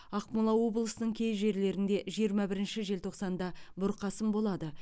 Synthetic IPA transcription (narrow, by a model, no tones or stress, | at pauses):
ɑqmɑlˠɑwo̞blˠəsənəɴkʲʰe̞jʒe̞ɾle̞ɾɪnd̪e̞ʒijəɾmɑbɪɾɪnʃɪʒe̞lt̪ʰo̞qsɑnd̪ɑbʊɾqʰɑsəmbo̞lˠɑd̪ə